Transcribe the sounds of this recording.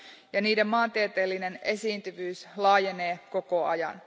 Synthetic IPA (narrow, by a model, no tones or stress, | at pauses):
jɑniːde̞mmɑːnt̪iet̪eːlːine̞ne̞siːnt̪yʋyːslɑːjene̞ːko̞ko̞ɑjɑ̰n